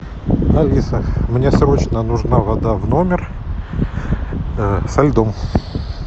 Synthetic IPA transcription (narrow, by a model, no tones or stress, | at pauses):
ɐlʲisəmnʲesɾot͡ɕnənʊʐnavɐd̪avno̞mʲɪr | sɐlʲd̪om